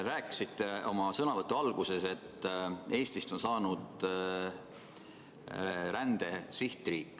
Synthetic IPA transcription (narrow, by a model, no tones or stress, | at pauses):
ɾæːkːˑi̥sit̪ːe̞o̞mɑsɤnɑvɤt̪ːˑuɑlɡ̥use̞se̞t̪ːe̞ːst̪ist̪o̞nsɑːnud̪̥ | ɾænd̪̥e̞siht̪ˑriːkːˑ